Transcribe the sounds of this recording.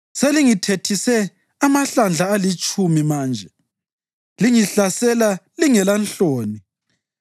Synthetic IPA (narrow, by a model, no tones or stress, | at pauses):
seliŋitʰetʰisɛ | amaɬand͡ɮʱaːlit͡ʃʼumimaːnd͡ʒʱɛ | liŋiɬasɛlaliŋɛlant͡ɬoːni